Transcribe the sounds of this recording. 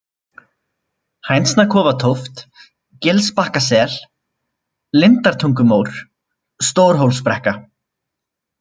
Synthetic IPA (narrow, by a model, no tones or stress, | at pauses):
hajnsnakʰɔːvat̪ʰowft̪ | cɪlspahkasɛːl̥ | lɪnt̪aɾ̥t̪ʰuŋkʏmowɾ̥ | st̪oːwɾ̥ɦowlspɾɛhka